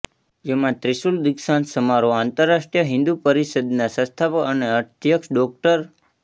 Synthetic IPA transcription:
d͡ʒemãt̪ɾiʃuld̪ɪkʃansəmaɾoãnt̪əɾːaʃʈijəɦɪ̃nd̪upəɾisəd̪nasə̃st̪ʰapəəneət̪jəkʃɖɔk̚ʈəɾ

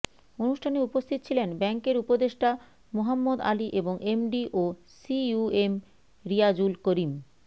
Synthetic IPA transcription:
onuʃʈʰaneupost̪ʰit̪ot͡ɕʰilenbɛŋkeɾupod̪eʃʈa | moɦamːod̪a̰liʔeboŋʔemɖiʔo | siuem | ɾiad͡ʑulkoɾim

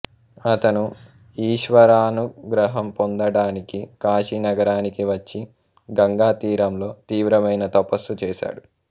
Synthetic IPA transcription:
ɐt̪ɐnu | iːʃʋɐɾaːnuɡɾɐɦɐmpond̪ɐɽaːnikikaːʃinɐɡɐɾaːnikiʋɐt͡ʃːi | ɡɐŋɡaːt̪iːɾɐmlo̞ːt̪iːʋɾɐmɐjnɐt̪ɐpɐsut͡ʃɛːʃa̰ːɽu

